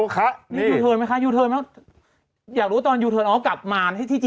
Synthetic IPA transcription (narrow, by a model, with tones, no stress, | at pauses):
kʰa˦˥ni˦˥i˧juː˧˩˧t̪ʰɤː˧jma˦˥jkʰa˦˥juː˧t̪ʰɤː˧mɛ˦˥ | jaː˨˩kdu˧˦˥t̪ɔː˧njuː˧t̪ʰɤː˧nʔɔː˦˥wka˨˩p̚maː˧nha˥˩jt̪ʰiː˥˩t͡ɕi˧